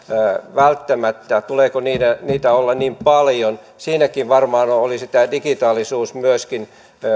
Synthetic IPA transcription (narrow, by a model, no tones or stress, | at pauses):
ʋælt̪ːæmæt̪ːæt̪uleːkoniːdeniːt̪æolːɑnimpɑljon | siːnækiʋʋɑrmɑːnoolisit̪æːdikit̪ɑːlisuːsmyøskin